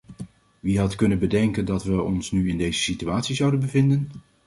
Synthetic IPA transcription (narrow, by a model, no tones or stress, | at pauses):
ʋiɦɑtkɵnənbədɛŋkəndɑtʋəɔnsnyɪndejzəsityaːtsizʌwdənbəvɪndən